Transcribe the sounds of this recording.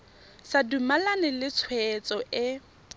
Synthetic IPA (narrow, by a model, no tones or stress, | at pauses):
sadumalanɪlɪt͡sʰwɛt͡sʼɔʔɪ